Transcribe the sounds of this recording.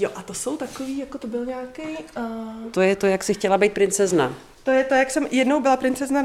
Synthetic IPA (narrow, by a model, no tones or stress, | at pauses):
joʔat̪oso̞wt̪akoviːjakot̪obɪlɲaːkej | t̪ojɛt̪ojaksɪxcɛlabejt̪pɾɪnt͡sɛzna̰ | t̪ojɛt̪ojaksɛmjɛdno̞wbɪlapɾɪnt͡sɛzna